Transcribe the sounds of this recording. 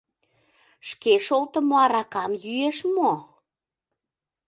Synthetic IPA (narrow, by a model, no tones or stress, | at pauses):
ʃkeʃolt̪ə̆moɑɾɑkɑmjyeʃmo